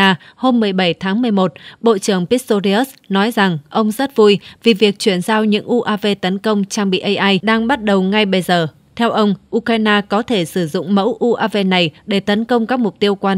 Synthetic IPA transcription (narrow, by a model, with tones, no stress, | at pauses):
ho˧mːɨ˨˩əjɓə˧˩jt̪ʰaː˨˦ŋmɨ˨˩əjmo˨˩t̚ɓo̰˧˨t͡ɕɨ˧˩əŋpi˦˥t̪o˧zi˧ə˦˥ | nɔ˨˦jza˨˩ŋʔə˧wŋ͡mzə˦˥t̚vu˧jvi˨˩vi˨˩ək̚t͡ɕwi˧˩ənzaː˧wɲɨ̰˧˥ŋʔu˧ʔaː˧ve˧t̪ə˨˦nkə˧wŋ͡mt͡ɕaː˧ŋɓḭ˧˨ʔə˧jʔaː˧jɗaː˧ŋɓa˦˥t̚ɗə˨˩wŋa˧jɓə˧jzəː˨˩ | t̪ʰɛ˧wʔə˧wŋ͡mʔu˧kɾaː˧jnaː˧kɔ˨˦t̪ʰe˧˩sɨ˧˩zʊ̰˧˨ŋ͡mmə̰˧˥wʔu˧ʔaː˧ve˧na˨˩jɗe˧˩t̪ə˨˦nkə˧wŋ͡mkaː˦˥k̚mʊ˨˩k͡p̚t̪i˧əwkwaː˧